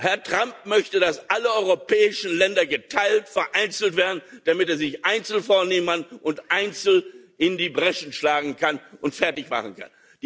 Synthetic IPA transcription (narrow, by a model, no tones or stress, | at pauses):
hɛɐtʁ̥amp̚mœçtədasʔaləɔʏʁopɛːɪʃn̩lɛndɐɡətʰaɪltfɛɐʔaɪnt͡sl̩tv̥eːɐdn̩d̥amɪteːɐzɪçʔaɪnt͡sl̩foːɐneːmanʔʊntʔaɪnt͡sl̩ | ʔɪndiːbʁɛʃn̩ʃlaːɡŋ̩kʰanʔʊntfɛɐtɪçma̰χən̩kʰa̰n | d̥